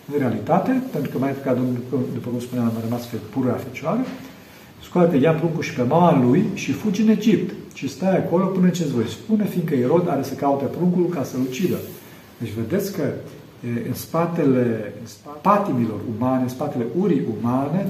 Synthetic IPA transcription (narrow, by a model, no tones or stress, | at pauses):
ɨnɾe̞alit̪at̪e̞pent̪ɾukəmajpokʲad̪onkud̪upəkumspuneamrəmasfepuɾuɾafit͡ʃoaɾe | skuat̪k̪əjapɾuŋkuʃi̥pe̞maalujʃifud͡ʒɨne̞d͡ʒipt̪ʃist̪ajako̞lo̞pɨnəɨnt͡ʃes̬t̪vo̞jspune̞find̪kəeɾo̞d̪a̰ɾesəkaut̪epɾuŋkulkasəlut͡ʃid̪ə | d̪̥et͡ʃʲve̞d̪e̞t̪sʲkə | ɨnspat̪e̞le̞ɨnspat̪imilo̞rumaneɨnspat̪e̞le̞ʔuɾiʔumane̞